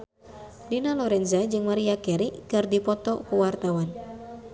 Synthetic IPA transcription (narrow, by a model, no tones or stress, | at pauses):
dinalɔɾɛnzad͡ʒɨŋmaɾiakɛɾiʔkɨrdipɔt̪ɔkuwart̪awan